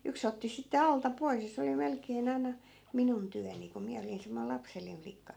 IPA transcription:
yks otːi sitːe ɑltɑ pois jɑ se oli melkeːn ɑi̯nɑ minun tyæni ku miæ olin semːoil lɑpselːiˑn flikːɑ

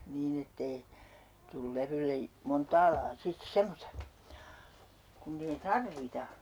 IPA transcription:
niːn etːei tul leʋylːe montɑː lɑː sit semːostɑ kunː ei tɑrʋitɑ

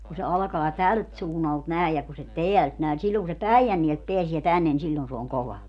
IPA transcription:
ku se ɑlkɑː tælt suːnːɑlt næˑej jɑ ku se teælt næˑe ni silːoŋ ku se pæijænːielt peæsie tænːen ni silʲːon se oŋ koʋɑ

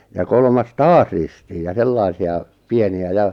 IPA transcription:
jɑ kolmɑs tɑːs ristiːj jɑ selːɑisiɑ pieniæ jɑ

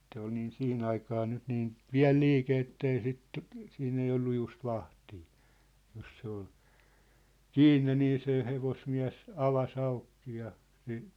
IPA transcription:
se ol niːn sih̆in ɑikɑː nyt niːn piæ̝l liːke etːei sit siːnː ei olːu just ʋɑhtiː jos se ol kiːnːe niː se heʋosmiæ̝s ɑʋɑs ɑukːi jɑ se

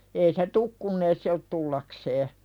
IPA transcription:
ei se tuk kunː ei se ot tulːɑkseː

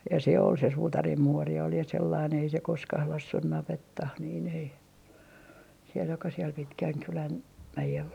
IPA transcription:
jɑ se ol se suːtɑrim muori ol jɑ selːɑin ei se koskɑh lɑsːuh nɑʋetːɑh niːn ei siel jokɑ siel pitkæŋkylæn mæjelː

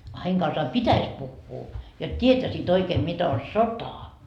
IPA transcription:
ɑ heiŋ kɑnsɑː pitæs puhːuː jot tʲietæsiːt oikeːm mit on̞ sotɑ

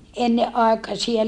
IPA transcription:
enːeʔ ʔɑˑekɑsiɑ

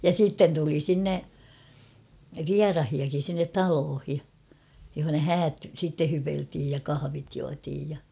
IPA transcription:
jɑ sitːen tuli sinːe ʋiɑrɑhiɑkin̞ sinːet tɑloːhi johonɑ hæːt sitːe hypeltiːj jɑ kɑhɑʋit juɑtiːj jɑ

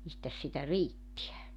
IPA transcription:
mistæs sitæ riːtːiæ

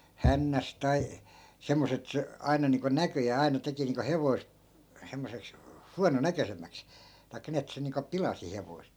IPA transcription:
hænːæs tɑi semːos et se ɑi̯nɑ niːŋko nækøjæː ɑi̯nɑ teki niːŋko heʋoi̯st̆ semːoseks huɑnonækøsemˑæks tɑi̯kːɑ ni et se niːŋko pilɑsi heʋoi̯st

